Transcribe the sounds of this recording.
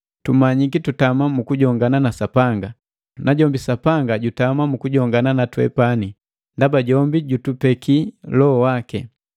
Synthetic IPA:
tumaɲikitutamamukuɟɔŋɡananasapaŋɡa | naɟɔmbisapaŋɡaɟutamamukuɟɔŋɡananatwɛ̰pani | ndabaɟɔmbiɟutupɛkʰilɔɔwakɛ

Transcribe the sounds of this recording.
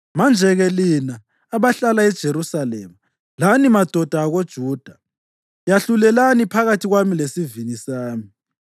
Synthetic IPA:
mand͡ʒʱɛɣɛlinaː | βaɬalaɛd̥ʒ̥ʱeɾusalɛ̰ːma | lanimad̥ʱɔd̥ʱaːɣod̥ʒ̥ʱuːd̥ʱa | jaɬulɛlanipʰaɣatʰiɣwamilesivinisaːmi

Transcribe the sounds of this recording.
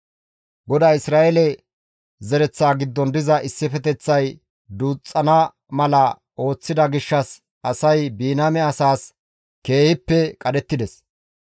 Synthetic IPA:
ɡɔd̪aːɪsɾaːʔɛlɛ | zɛɾɛt͡sːaːɡɪd̪ːɔnd̪ɪzɐʔɪsːɪfɛt̪ɛt͡sːɐj | d̪uːt͡sʼːɐnɐ | mɐlɐ | o̞ːt͡sːɪd̪ɐɡɪʃːɐs | ɐsɐjbiːnamɛɐsaːs | ke̞ːhɪpːɛkʼɐd̪ɛt̪ːɪd̪ɛs

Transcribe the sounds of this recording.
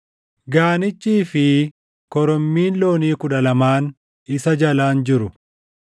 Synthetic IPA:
ɡaːnɪt͡ʃʼːiːfɪ | kɔɾɔmːiːnlo̞ːniːkʊᶑɐlɐmaːn | ɪsɐd͡ʒɐlaːnd͡ʒɪɾʊ

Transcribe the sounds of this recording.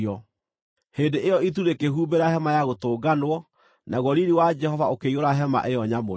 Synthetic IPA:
ɔ | heːndeʔejɔit̬uɾekeɦuːbeɾahɛmajaɣotoːɡanwɔ | naɣɔɾiɾiwad͡ʒɛhɔvaokeioɾaɦɛma̰ʔeɔɲamo

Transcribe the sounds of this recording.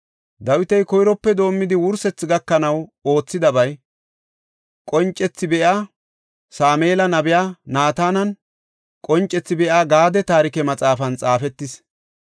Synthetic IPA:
d̪ɐwɪt̪ɛjkɔjɾɔpːɛd̪o̞ːmːɪd̪ɪwʊɾsɛt͡sːɪɡɐkːɐnɐwo̞ːt͡sːɪd̪ɐbɐj | kʼɔnt͡ʃʼːɛt͡sːɪbɛʔaː | saːmeːlɐnɐbɪjaːnaːt̪aːnɐn | kʼɔnt͡ʃʼːɛt͡sːɪbɛʔaːɡaːd̪ɛt̪aːɾɪkɛmɐt͡sʼaːfɐnt͡sʼaːfɛt̪ːɪs

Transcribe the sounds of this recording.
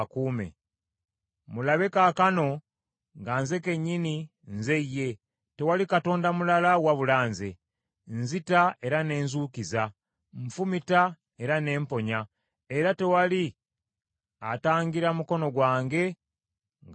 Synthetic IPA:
kuːmḛ | mulaβekakano̞ | ŋɡaːnze̞ke̞ɲːini | nze̞ije̞ | te̞walikato̞ːndamulalawaβulaːnze | nzitae̞ɾane̞ːnzuːkiza | ɱfumita | e̞ɾane̞ːmpo̞ɲa | e̞ɾate̞wali | ataːŋɡiɾamuko̞no̞ɡwaːŋɡe̞ | ŋ

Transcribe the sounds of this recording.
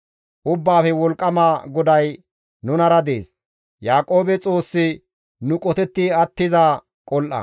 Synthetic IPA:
ʔʊbːaːfɛwɔlkʼːɐmaːɡɔd̪ɐj | nʊnɐɾɐd̪e̞̰ːs | jaːkʼo̞ːbɛt͡sʼo̞ːsːɪ | nʊkʼɔt̪ɛt̪ːɪɐt̪ːɪza | kʼɔlʔɐ̰

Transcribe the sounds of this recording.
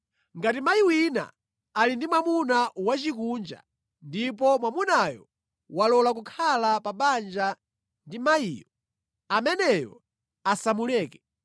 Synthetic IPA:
ŋɡatimaiwina̰ | alindimwamunawat͡ʃikund͡ʒa̰ | ndip̬ɔmwamunajɔ̰ | walɔlak̬ukʰalapaɓand͡ʒa | ndimaiːjɔ | amɛnɛjɔ̰ | asamulɛːkɛ

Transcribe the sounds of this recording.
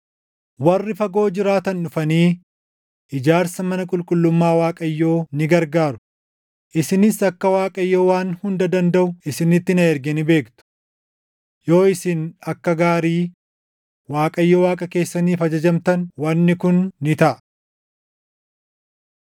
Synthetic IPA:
wɐrːɪfɐɡo̞ːd͡ʒɪɾaːt̪ɐnʊfɐniː | ʔɪd͡ʒaːɾsɐmɐnɐkʼʊlkʼʊlːʊmːaːwaːkʼɐjːo̞ːnɪɡɐɾɡaːɾʊ̥ | ʔɪsɪnɪsɐkːɐwaːkʼɐjːo̞ːwaːnhʊnd̪ɐd̪ɐnd̪ɐʔʊɪsɪnɪt̪ːɪnɐɛɾɡɛnɪbe̞ːkt̪ʊ̥ | jo̞ːɪsɪnɐkːɐɡaːɾiː | waːkʼɐjːoːwaːkʼɐke̞ːsːɐniːfɐd͡ʒɐd͡ʒɐmt̪ɐnwɐnːɪkʊnːɪt̪ɐʔɐ

